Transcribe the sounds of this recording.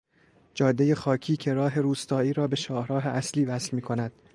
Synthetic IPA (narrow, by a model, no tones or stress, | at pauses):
d͡ʒɒːd̪ːeje̞xɒːcʰiːcʰe̞ɾɒːɦe̞ɾuːst̪ɒːiːɾɒːbe̞ʃɒːhɾɒːɦe̞ʔæsliːvæsfmiːkʰo̞næd̪̥